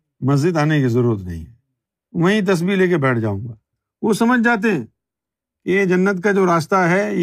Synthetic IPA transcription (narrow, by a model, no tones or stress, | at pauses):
mɐzd͡ʒɪd̪aːnekizɐɾuːɾət̪nɐ̰ɦḭ̃ɦɛ | ʋɐɦĩt̪̬ɐs̬bileːk̬ebɛːʈʰd͡ʒa̰ːṵ̃ːŋɡaː | ʋosɐməd͡ʒʱd͡ʒaːt̪̬eɦɛ̃ | kied͡ʒɐnːət̪kad͡ʒoːɾaːst̪aɦɛ